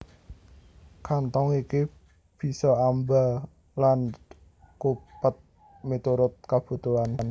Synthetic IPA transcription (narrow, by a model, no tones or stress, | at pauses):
kant̪ɔŋiki | b̥i̤sɔamba | lan | kupət̪̚ | met̪uɾʊt̪̚kab̥ṳt̪uann